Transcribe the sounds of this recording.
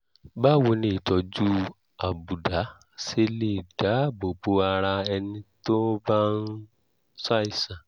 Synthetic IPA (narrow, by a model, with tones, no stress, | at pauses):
ba˦˨wo˧nĩ˧i˨tɔ˨˧d͡ʒu˦ | a˨bu˨da˨˦ | se˦le˦˨d̥a˨˦bo˨ɡ͡bo˧a˧ɾa˧ɛ˧nĩ˧to˦ba˦n˦ | sa˦i˦˨sã˨